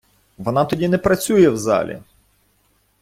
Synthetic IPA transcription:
ʋɔnɑt̪ɔdʲinɛpɾɐt͡sʲujɛwzɑ̰lʲḭ

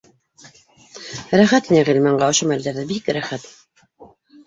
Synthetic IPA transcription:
ɾæχæt̪næʁilmæɴɢɑŏʃomæld̪æɾðɘbikɾæχæt̪

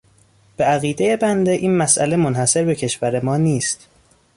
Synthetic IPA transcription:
b̥eæɣiːd̪e̞je̞bænd̪eʔiːnmæsʔæ̰le̞mo̞nhæse̞ɾbe̞cʰe̞ʃvæɾe̞mɒːniːst̪

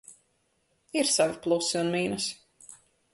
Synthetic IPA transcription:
iɾsaviplˠusiunmiːnɐs

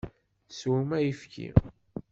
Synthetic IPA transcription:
swumæjifkḭ

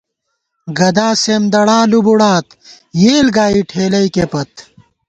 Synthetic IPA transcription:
ɡɐd̪aːseːmd̪ɐɽãːlubuɽaːt̪ | jeːlɡaːiʈʰeːlɐikepɐt̪

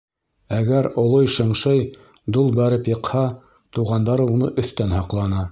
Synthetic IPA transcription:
æɡæɾŏlˠojʃɤ̆ɴʃɤj | d̪ulˠbæɾɘpjɤ̆qhɑ | t̪uʁɑnd̪ɑɾɤunɤʔɵ̆θt̪ænhɑqlˠɑnɤ

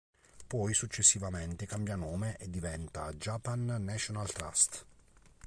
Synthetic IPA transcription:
pɔjsut͡ʃːesːivament̪ekambjanɔːmeʔed̪ːivɛnt̪ad͡ʒapanːɛt͡ʃonalt̪ɾa̰st̪

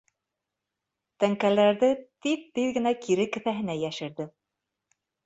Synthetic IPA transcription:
t̪æŋkælæɾðɘt̪ik̚t̪iðɡɘ̆nækiɾɘkɘ̆θæɦɘ̆næjæʃɘ̆ɾðɘ

